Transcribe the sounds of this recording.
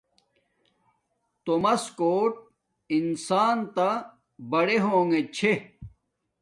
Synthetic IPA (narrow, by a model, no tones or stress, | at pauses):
t̪omɐskoːʈ̚ | insaːnt̪a | bɐɽeɦõːŋɡet͡ɕʰe